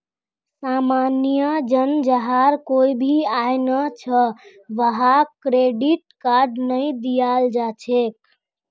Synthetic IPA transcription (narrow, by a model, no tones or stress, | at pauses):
samanijəd͡ʒənd͡ʒəɦaɾkoibʱiajnət͡ʃʰə | ʋəɦakɾeɖiʈkaɾɖnəjd̪ijald͡ʒat͡ʃʰek